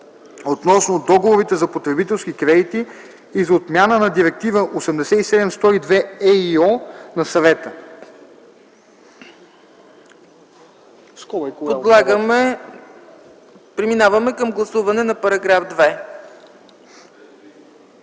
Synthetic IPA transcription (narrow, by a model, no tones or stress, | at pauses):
ot̪nɔsnod̪ɔɡovoɾit̪ɛzɐpot̪ɾɛbit̪ɛlˠsk̟ikɾɛd̪it̪iː | zɐot̪mʲjanənɐd̪iɾɛk̚t̪ivəʔosɛmd̪ɛsɛisɛd̪ɛmst̪ɔid̪vɛɛiɔnɐsɐvɛt̪ə | pod̪lˠaɡm | pɾiminavɐmɛkɐmɡlˠɐsuvɐnɛnɐpɐɾɐɡɾafd̪vɛ